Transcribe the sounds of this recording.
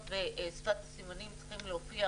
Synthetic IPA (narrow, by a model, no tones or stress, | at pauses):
veʔsfat̪simanimt͡si̥χimleofia